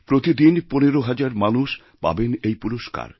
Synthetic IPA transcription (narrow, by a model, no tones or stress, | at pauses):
pɾot̪id̪inponeɾoɦad͡ʑaɾmanuʃ | pa̰benejpuɾoʃka̰ɾ